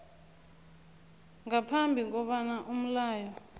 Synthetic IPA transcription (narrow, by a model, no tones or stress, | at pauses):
ŋapʰambʱik̬ʼɔɓanaʔum̩laːjɔ